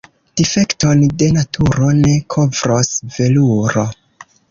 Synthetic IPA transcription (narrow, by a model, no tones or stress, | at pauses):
d̥ife̞kto̞nde̞natʰuɾo̞ne̞kʰo̞vɾo̞sve̞luɾo̞